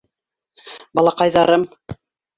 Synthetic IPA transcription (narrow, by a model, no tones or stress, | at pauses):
bɑlˠɑqɑjðɑɾɤm